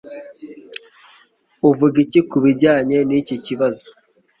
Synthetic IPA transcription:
uvuɡicikuβiɟaːɲe̞niciciβazo̥

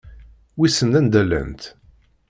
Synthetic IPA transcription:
wisənænd̪ælːæ̰nt̪

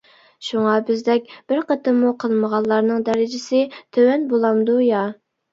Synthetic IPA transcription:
ʃuŋɑbɪzd̪ɛk̚ʲb̥ɪɾqʰət̪ɨmːuqʰəlˠməʁɑlˠːɑɾnɨŋd̪ɛɾɪd͡ʒɪsɪt̪ʰøwɛnbolˠɑmd̪ujɑ

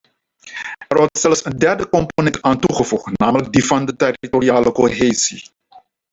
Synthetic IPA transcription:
ɛrʋɔrtsɛlsəndɛrdəkɔmponɛntaːntuχəfuχtnaːmələk̚divɑndətɛritoriaːləkoɦeːzḭ

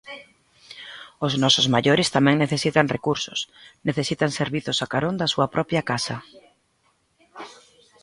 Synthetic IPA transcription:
ʊznɔsʊzmaʎoɾɪst̪amɛ̃ŋneθesit̪ɐŋrekuɾsʊsneθesit̪aŋseɾβiθʊsakaɾond̪asuɐpɾʔɔpjɐkasɐ

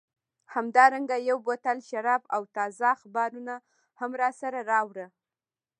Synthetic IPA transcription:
hamd̪ɑɾaŋɡajawbot̪alʃaɾɑbawt̪ɑzaxbɑɾuna | hamɾɑsaɾaɾɑwɾə

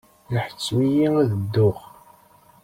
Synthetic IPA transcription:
ləħə̥t͡sːmijiæðəd̪ːʊχ

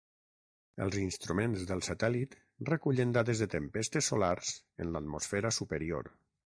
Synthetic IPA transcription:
ə̰lˠzinst̪ɾumẽnzðəlˠsat̪ɛlit̪ | rəkuʎənd̪aðezðət̪əmpest̪əsolaɾz̥ | ə̰nlət̪mosfɛɾəsupəɾio̰ɾ

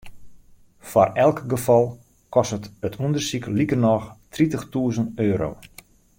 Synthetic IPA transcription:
fɔrɛlˠkɡəfɔlˠ | kɔstətətʰundərsiklikərnɔxtritəxtuːəzənøːɾo̰w

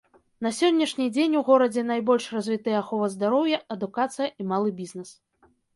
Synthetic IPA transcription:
n̪ɐsʲɔnʲːɐʂnʲid͡zʲenʲuɣɔɾɐd͡zʲɛnajbɔlʲʂrazʲvʲit̪ɨjɛaxɔvɐzd̪aɾɔwjɐɐd̪ukat̪sɨjɐʔimalˠɨbʲiznɛs

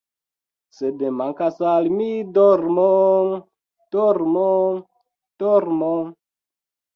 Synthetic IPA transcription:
sedemaŋkasalmidoɾmoŋ | toɾmoŋ | d̥oɾmoŋ

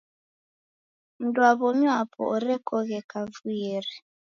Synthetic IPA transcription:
n̩dwaβɔmapʰɔ̰ɔɾɛkɔɣɛkavujeɾɛ

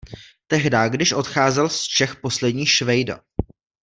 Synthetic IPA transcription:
t̪ɛɦdaːɡdɪʃʔo̞t̪xaːzɛlst͡ʃɛxpo̞slɛdɲiːxʃvɛjda̰

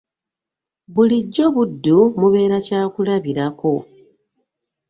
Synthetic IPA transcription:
βuliɟːo̞βudːumuβe̞ːɾacaːkulaβiɾako̞

